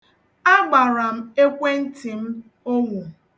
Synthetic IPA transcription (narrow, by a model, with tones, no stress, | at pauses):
a˦ɡ͡ba˨ɾa˨m̩˦e˦kʷe˦n̩˦ti˨m̩˦ | o˦ŋʷu˨